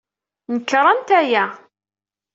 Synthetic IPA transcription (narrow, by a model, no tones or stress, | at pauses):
nəkːɾˤɑnt̪æjæ